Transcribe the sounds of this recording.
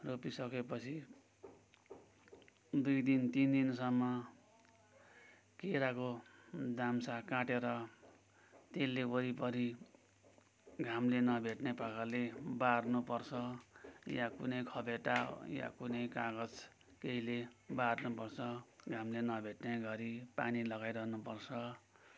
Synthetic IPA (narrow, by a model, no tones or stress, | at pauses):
ropisʌkepʌt͡sʰi | d̪ujd̪int̪ind̪insʌmːʌ | keɾakod̪amsakãʈeɾʌ | t̪elːeoɾipʌɾi | ɡʱamlenʌbʱeʈnepakʰalebarnupʌrt͡sʰʌjakunʌjkʰʌbʱeʈaja̰kunʌjkaɡʌd͡z | keilebarnupʌrt͡sʰʌɡʱamlenʌbʱeʈneɡʌɾipanilʌɡajɾʌɦnupʌrt͡sʰʌ